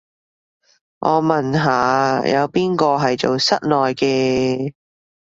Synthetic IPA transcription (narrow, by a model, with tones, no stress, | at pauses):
ŋʔɔ̰ː˨˧mɐ˨nɦaː˨˧jɐ̰˨˧wpiː˥nkɔː˧ɦɐ˨jt͡so˨wsɐ˥t̚lɔː˨˩jkɛː˧